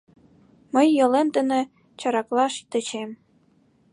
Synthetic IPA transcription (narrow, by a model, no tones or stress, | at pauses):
mə̆jːɤ̆lemt̪ə̆nĕ | t͡ɕɑɾɑklˠɑʃt̪ə̆t͡ɕem